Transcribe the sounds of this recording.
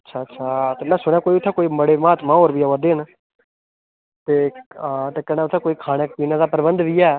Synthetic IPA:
ətːʃʰaːtːʃʰaːt̪eːmɛ̃ːsʊɳ̃jãːkoːiːʊt̪ʰːɛ̃ːkoːiːməɽeːmaːt̪mãːoːɾbiaːʋad̪eːn | t̪eːt̪eːkɛːnaːʊt̪ʰːɛːkoːiːkʰaːnəkpiːnãːd̪aːpəɾbənd̪ʋiːɛː

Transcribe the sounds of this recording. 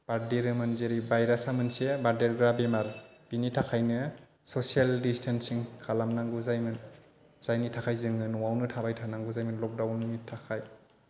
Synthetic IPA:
b̥aɾdeɾɯmɯnzeɾibajɾasamɯnsebaɾdeɾɡɾabemaɾb̥initʰakʰajnɯ | sɔsialdistʰansiŋkʰalamnaŋɡuzajmɯn | z̥ajnitʰakʰajzɯŋɯnuwawnɯtʰabajtʰanaŋɡuzajmɯnlɔk̚dawnitʰakʰaj

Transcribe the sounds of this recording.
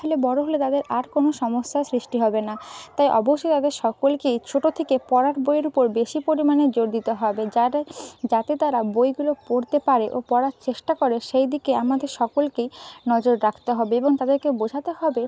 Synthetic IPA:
ɦolebɔɾoɦolet̪ad̪eɾaɾkonoʃɔmosːasɾiʃʈiɦɔbenat̪ajʔɔ̰boʃːojt̪ad̪eɾʃɔkolkejt͡ɕʰoʈot̪ʰekepɔɾaɾbojeɾupoɾbeʃipoɾimaned͡ʑoɾd̪it̪oɦɔbed͡ʑaɾad͡ʑat̪et̪aɾabojɡulopoɾt̪epaɾeʔopɔɾaɾt͡ɕeʃʈakɔɾeʃejd̪ikeamad̪eɾʃɔkolkejnɔd͡ʑoɾɾakʰt̪eɦɔbeeboŋt̪ad̪eɾkebod͡ʑʱat̪eɦɔbe

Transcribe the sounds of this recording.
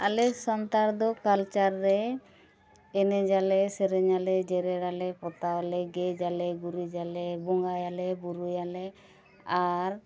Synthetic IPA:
a̰lɛsɔnt̪aɾd̪ɔkalt͡ʃaɾːɛ | ɛnɛd͡ʒalɛsɛɾɛɲalɛd͡ʒɛɾɛɾalɛpɔt̪awalɛɡɛd͡ʒalɛɡuɾid͡ʒalɛbɔŋɡajalɛbuɾujalɛ | aɾ

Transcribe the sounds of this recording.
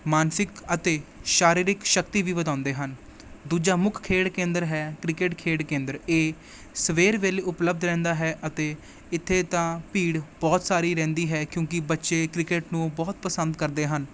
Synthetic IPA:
maːnsɪkət̪eːʃaːɾiːɾɪkʃəkt̪iːʋiːʋəd̪ãːʊ̃nd̪eːɦən | d̪uːd͡ʒaːmʊkʰkʰeːɽkẽːnd̪əɾɦɛːkɾɪkeːʈkʰeːɽkẽːnd̪əɾeː | səʋeːɾʋeːleːʊpləb̚d̪ɾɛ̃ːnd̪aːɦɛːʔət̪eː | ɪt̪ʰːeːt̪ãːpiːɽbɔːt̪saːɾiːɾɛ̃ːnd̪iːɦɛːkjõːkɪbətːʃeːkɾɪkeːʈnũːbɔːt̪̚pəsənd̪kəɾd̪eːɦən

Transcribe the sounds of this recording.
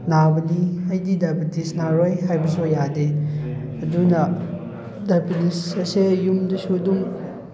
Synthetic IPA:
nabɐniɐjdidapitisnaɾojɦajbɐsojade | ɐdunɐ | dapʰinisɐsejumdɐsudum

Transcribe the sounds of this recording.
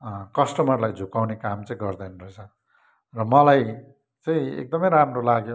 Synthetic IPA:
kʌsʈʌmʌrlajd͡zʱukawnekamt͡sʌĩɡʌrd̪ʌjnrʌɦet͡sʰʌ | rʌmʌlaj | t͡sʌĩḛk̚d̪ʌmʌjɾamrolaɡjo

